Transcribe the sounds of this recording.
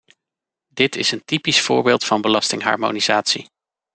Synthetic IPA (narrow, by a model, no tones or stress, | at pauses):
dɪtʰɪsəntipisfʊ̰ːɹbɪːlˠtfɑnbəlɑstɪŋɦɑ̰ːɹmo̰nizaːtsḭ